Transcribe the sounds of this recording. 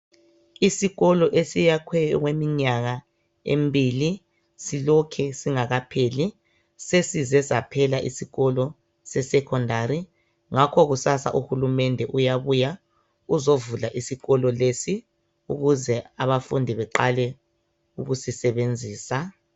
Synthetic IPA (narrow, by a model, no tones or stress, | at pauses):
isiɣɔlɔʔesijakʰwɛjɔɣwemiɲaɣa | ḛmbʱili | silokʰɛsiŋaɣapʰeli | sesizɛzapʰɛlaʔisiɣɔlɔ | sɛsɛkʰɔndʱaɾi | ŋakʰɔɣusasa̰ʔuhulumɛndʱɛʔujaβuja | uzovulaʔisiɣɔlɔlesi | uɣuzɛaβafundʱiβɛǃalɛ | uɣusisɛβend͡zʱiːsa